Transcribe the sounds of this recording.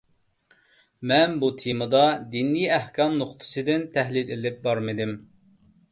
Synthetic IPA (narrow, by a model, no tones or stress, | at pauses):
mɛnbut̪ʰimɨd̪ɑd̪inːijæhkʰɑmnoχt̪ʰɨ̥sɨd̪ɪnt̪ʰæɦlilɪlɪp̚bɑɾmɨd̪ɪm